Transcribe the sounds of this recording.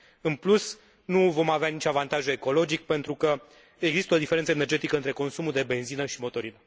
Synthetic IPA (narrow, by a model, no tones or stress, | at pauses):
ɨnplus | nuvo̞maveanit͡ʃavant̪aʒue̞ko̞lo̞d͡ʒik̚pe̞nt̪ɾukə | eɡzist̪əo̞d̪ifeɾe̞nt̪səene̞rd͡ʒe̞t̪ikəɨnt̪ɾe̞ko̞nsumuld̪e̞be̞nzinəʃimo̞t̪o̞ɾinə